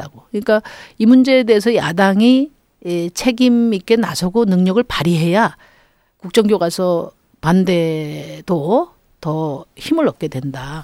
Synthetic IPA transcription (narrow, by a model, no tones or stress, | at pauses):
aɡoɯɲik͈aimund͡ʑe̞ːde̞ːsʰʌjadaŋi | t͡ɕʰe̞ɡimik͈e̞nasʰʌɡonɯŋɲʌɡɯɭpaɾiɦe̞ja | kuk̚t͡ɕ͈ʌŋɡjoɡasʰʌ | pande̞d̥o | tʌçimɯɾʌp̚k͈e̞dwe̞nda